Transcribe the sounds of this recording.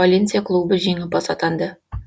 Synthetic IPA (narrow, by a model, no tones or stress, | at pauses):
ɑlʲent̪sijakʰlˠubəʒijŋəp̚ɑsɑt̪ɑnd̪ə